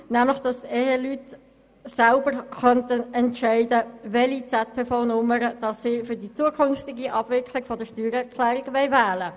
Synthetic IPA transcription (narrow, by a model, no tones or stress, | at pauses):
næmləχd̥ɑsɛhelyt | sælbəɾχœntənɛntʃɛɪdəvɛlit͡sɛt̚pʰeːfaʊnʊməɾəd̥ɑsːiːfʏdit͡suəkʰʏnftɪɡiʔɑb̥vɪkʰlɪɡ̥fɔdəʃtyːɾɛʁkʰlɛːɾɪɡʋɛɪvæːlə